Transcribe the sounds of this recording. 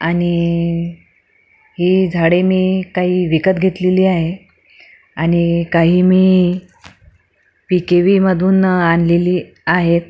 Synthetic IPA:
aɽ̃i | ɦiːd͡zʱaɽemiːkaɦiːʋikət̪ɡʱet̪leliːaɦe | aɽ̃ikaɦiːmiː | pikeʋiːməd̪ʱuːnanleliː | aɦet̪̚

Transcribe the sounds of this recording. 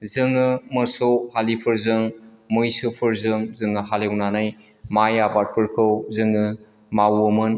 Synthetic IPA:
zɯŋɯmɯsowhalipʰɯɾzɯŋ | mɯjsɯpʰɯɾzɯŋzɯŋɯɦalewnanaj | majabat̚pʰɯɾkʰɯwzɯŋɯ | mawɯmɯn

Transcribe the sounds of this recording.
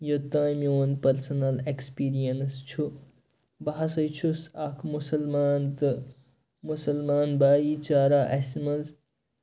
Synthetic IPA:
jot̪ãːjmionpɐɾsɐnɐlekspiːɾijɐnst͡ʃʰu | baɦɐsɐjt͡ʃʰusakʰmusɐlmaːnt̪ɨ | musɐlmaːnbaːjit͡ʃaːɾaʔɐsimɐnz

